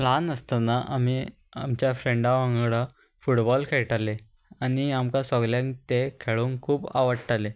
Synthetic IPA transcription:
lanəst̪anaʔami | amt͡ɕjafɾeɳɖaʋãŋɡɽa | fuʈbɔlkʰeɭʈale | aniamkasɔɡljãŋkt̪ekʰeɭuŋkʰuːba̰ʋəɽʈale

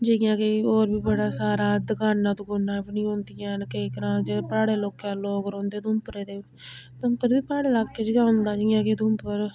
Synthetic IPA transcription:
d͡ʒejãːkeoːɾbiːbəɽaːsaːɾaːd̪əkaːnːãːt̪uːɡonãːpnĩːɦõːnd̪ɪjãːnkəiːk̪əɾãːd͡ʒepɾaːɽeːloːkãːloːkɾõːnd̪eːt̪ʊmpɾeːd̪eː | t̪əmkəɾbiːpɾaːɽeːlaːkːed͡ʒɪɡãːʊ̃nd̪aːd͡ʒɪjãːket̪ʊmpəɾ

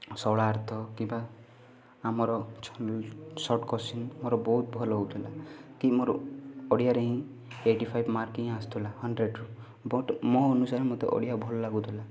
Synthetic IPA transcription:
sɔɭaːɾt̪ʰɔkĩmba | amɔɾɔt͡ʃʰɔnɔlsɔʈkɔsinmoɾɔbɔɦut̪̚bʱɔlɔɦout̪ʰilakimoɾɔ̰ɔɽijaɾeɦĩ | eʈipʰajbmaɾkĩast̪ʰulahɔɳɖɾeɖɾu | bɔʈmɔːnusaɾemɔt̪ḛʔɔ̰ɽijabʱɔlɔlaɡut̪ʰila

